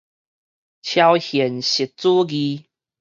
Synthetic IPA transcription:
t͡ɕʰja˧whjɛ˨˩nɕi˨t̚t͡su˦ɡi˧

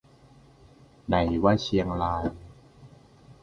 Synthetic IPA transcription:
na˨˩˦jwaː˦˥˩t͡ɕʰi˧əŋlaː˧j

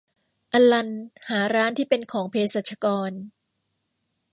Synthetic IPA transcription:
ʔa˧la˧nhaː˩˦ɾaː˦˥nt̪ʰiː˥˩pe˧nkʰɔː˩˦ŋpʰeː˧sa˨˩t̪̚t͡ɕʰa˧kɔː˧n

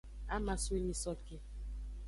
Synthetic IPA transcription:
a˦ma˨swe˦ni˨sɔ˨ke˨

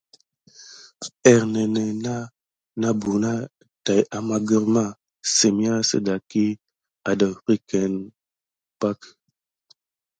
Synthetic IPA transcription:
ɛ˨ɾnɛ˨nɛ˨na˦ | na˦bu˨na˦ | ta˨jʔa˦ma˦ɡə˦ɾma˦ | se˨mi˦a˦sə̰˦da˨ki˦ | a˨də˨ɾi˦kɛ˨n | pa˦k

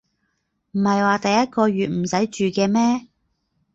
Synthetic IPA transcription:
m̩˨˩hɐ˨jwaː˨t̪ɐ˨jːɐ˥t̚kɔː˧ɥyː˨t̚m̩˨˩sɐ˨˥jt͡ʃyː˨kɛː˧mɛː˥

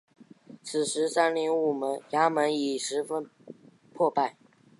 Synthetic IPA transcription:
t͡s̩ʰ˨˩ʂɻ̩˧˥sa˥nli˥˧ŋu˥˩mə˧˥nja˥mə˧˥ni˨˩ʂɻ̩˧˥fə˥n | pʰwɔ˥˧pa˥˩ɪ

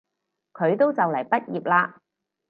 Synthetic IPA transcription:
kʰɵ˨˧ɥt̪o˥wt͡sɐ˨wlɐ˨˩jpɐ˥t̚jiː˨p̚laː˧

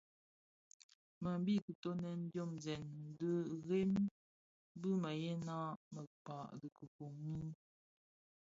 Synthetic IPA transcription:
mə˨m˦bi˦kə˨to˦nɛ˨n̩˦djo˦˨mzɛ˨nn˨˦də˦ɣe˦m | bɨ˦mə˨jɛ˦na˦mə˨pa˨ʔdə˨kə˨ko˨ŋi˦

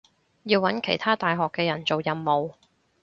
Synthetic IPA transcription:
jiː˧wːɐ˨˥nkʰe˨˩jt̪ʰaː˥t̪aː˨jɦɔː˨kːɛː˧jɐ˨˩nt͡so˨wjɐ˨mːo˨w

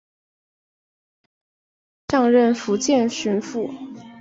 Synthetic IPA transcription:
ʈ͡ʂɑ˥˧ŋɻə˥˩nfu˧˥t͡ɕjɛ˥˧nɕy˧˥nfu˥˩

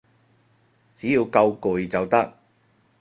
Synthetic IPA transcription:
t͡siː˨˥jiː˨˧wkɐ˧wkʊ˨˩jt͡sɐ˨wt̪ɐ˥k̚

